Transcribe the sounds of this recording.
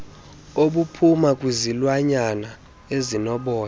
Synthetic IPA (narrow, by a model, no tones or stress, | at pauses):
oɓupʰumakʼwizilwaɲana | ezinɔɓɔːna